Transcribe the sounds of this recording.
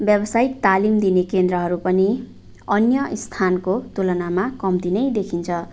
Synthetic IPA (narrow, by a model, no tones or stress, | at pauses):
bjʌbʌsaik̚t̪alimd̪inekend̪ɾʌɦʌɾupʌni | ʌnjʌst̪ʰankot̪olʌnamakʌmt̪inʌjd̪ekʰint͡sʰʌ